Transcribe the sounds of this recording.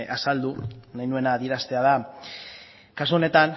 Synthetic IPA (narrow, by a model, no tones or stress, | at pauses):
ʔasald̪unajnue̞naːðieɾast̪e̞að̞a | kasuo̞ne̞t̪an